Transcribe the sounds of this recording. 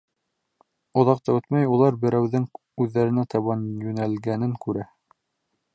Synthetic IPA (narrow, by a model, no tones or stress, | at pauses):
ŏðɑq̚t̪ɑɵt̪mæjulˠɑɾbɘ̆ɾæwðɘŋ | ʉðːæɾɘ̆næt̪ɑβɑnjʉnælɡænɘŋkʉɾæ